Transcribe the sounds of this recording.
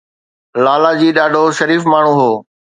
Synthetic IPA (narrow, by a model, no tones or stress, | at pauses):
laːlaːd͡ʑiːɗaːɖʱoʃɐɾiːfmaːɳ̤ũːɦoː